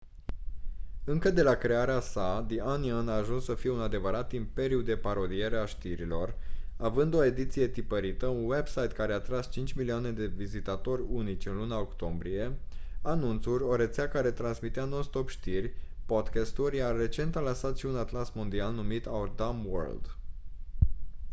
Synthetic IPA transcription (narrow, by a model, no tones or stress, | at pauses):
ɨŋkəd̪e̞lakɾe̞aɾeasad̪iʔanianaːʒunsːəfije̞unad̪e̞vəɾat̪impe̞ɾjud̪e̞paɾo̞d̪ije̞ɾeaʃt̪iɾilo̞ravɨnd̪o̞e̞d̪it̪sije̞t̪ipəɾit̪əunwe̞bsajt̪kaɾeat̪ɾast͡ʃint͡ʃʲmilioane̞d̪e̞vizit̪at̪o̞ɾʲunit͡ʃʲɨnlunaokt̪o̞mbɾije̞anunt̪suɾʲo̞ɾe̞t̪seakaɾe̞t̪ɾansmit̪eanolst̪o̞pʃt̪irʲpod̪kast̪uɾʲjare̞t͡ʃe̞nt̪alansat̪ʃiunat̪lasmond̪ialnumit̪ad̪amwə̰rld̪